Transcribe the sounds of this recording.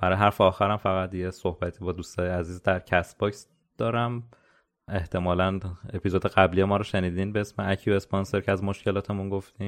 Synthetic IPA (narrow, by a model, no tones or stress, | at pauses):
b̥æɾɒːjeɦæɾfeɒːxæɾæmfæɣæt̪jeso̞hbæt̪ʰiːbɒːd̪uːst̪ɒːjeæziːzd̪æɾcʰæsbɒcs | d̪̥ɒːɾæm | e̞ht̪ʰe̞mɒːlæne̞pʰizod̪eɣæblijemɒːɾɒːʃeniːd̪inbeesmeæcʰjue̞sponse̞ɾcʰeæzmoʃcʰe̞lɒːt̪ʰe̞munɡoft̪i